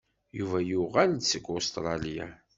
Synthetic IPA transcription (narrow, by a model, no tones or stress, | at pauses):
juvæjuʁælsəkʷːost̪ɾˤɑlija̰